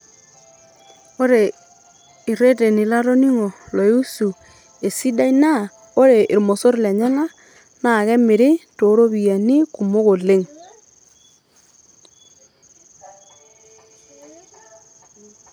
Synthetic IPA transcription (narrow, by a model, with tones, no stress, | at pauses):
o˦ɾe˨ | i˨ɾe˦te˨ni˨la˦ɾo˦ni˦ŋo˨lo˨ju˦su˨ | e˨si˦da˦i˦na˦˨ | o˦ɾe˨ʔɪ˨ɾmo˨so˦ɾla˨ɲa˦la˦ | na˨kɛ˦mɪ˨ɾɪ˦to˨˦ɾo˦βi˨ja˨ni˦ku˨mo˦ko˨le˦ŋ